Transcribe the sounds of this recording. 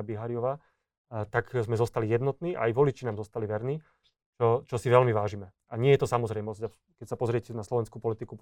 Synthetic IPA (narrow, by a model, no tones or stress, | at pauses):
abiɦaːɾiɔʋaː | t̪akzmɛzɔst̪alijɛd̪nɔt̪niːʔa̰ajʋɔlit͡ʃinaːmzɔst̪aliʋɛɾniː | t͡ʃɔt͡ʃɔsiʋɛlmiʋaːʒimɛ | aɲɪɛjɛt̪ɔsamɔzɾɛjmɔzca | kɛcsapɔzɾɪɛcɛnaslɔʋɛnskuːpɔlit̪iku